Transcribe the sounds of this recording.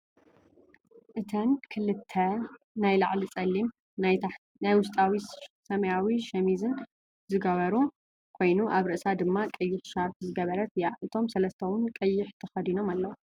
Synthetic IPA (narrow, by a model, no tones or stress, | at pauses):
ʔɨt̪ʰɐnkʰɨlɨt̪ʰːɐ | najlaʕlit͡sʼɐlːim | najwʊst̪ʼawisɐmɐjawiʃɐmizɨn | zɨɡɐβɐɾu | kʰo̞jnuʔaβɾɨʔsad̪ɨmːakʼɐjːɪħʃaɾfzɨɡɐβɐɾɐt̪jaʔɨt̪ʰo̞msɐlɐst̪ʰɐwʊnkʼɐjːɪħt̪ʰɐxɐd̪ino̞malːɐwu